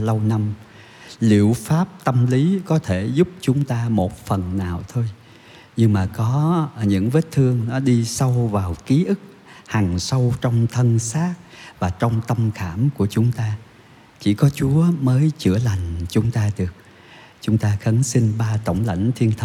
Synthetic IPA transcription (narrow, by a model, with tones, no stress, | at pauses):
lə˧wna˧m | lḭ˧˨əwfaː˦˥p̚t̪ə˧mli˨˦kɔ˨˦t̪ʰe˧˩zʊ˦˥k͡p̚t͡ɕʊ˨˦ŋ͡mt̪aː˧mo˨˩t̚fə˨˩nːaː˨˩wt̪ʰo˧j | ɲɨ˧ŋmaː˨˩kɔ˨˦ɲɨ̰˧˥ŋve˦˥t̚t̪ʰɨ˧əŋnɔ˨˦ɗi˧sa˧wvaː˨˩wki˨˦ʔɨ˦˥k̚ | ha˨˩ŋsə˧wt͡ɕɔ˧wŋ͡mt̪ʰə˧nsaː˦˥t̚vaː˨˩t͡ɕɔ˧wŋ͡mt̪ə˧mxaː˧˩mku˧˩ət͡ɕʊ˨˦ŋ͡mt̪aː˧ | t͡ɕḭ˧˩kɔ˨˦t͡ɕu˨˦əməː˨˦jt͡ɕɨ̰˧˩əla˨˩jŋ̟t͡ɕʊ˨˦ŋ͡mt̪aː˧ɗɨ˨˩ək̚ | t͡ɕʊ˨˦ŋ͡mt̪aː˧xə˨˦nsi˧nɓaː˧t̪o˧˩wŋ͡mla̰˧˩jŋ̟t̪ʰi˧ənt̪ʰə˧